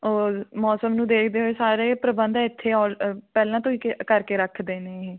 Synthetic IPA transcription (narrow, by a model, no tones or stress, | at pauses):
oːmɔːsəmnũːd̪eːkʰd̪eːɦoeːsaːɾeːpɾəbə̃nd̪ɪt̪ʰːeːɔːlpɛːlãːt̪õːiːkkəɾkeːɾəkʰd̪eːneːɦeː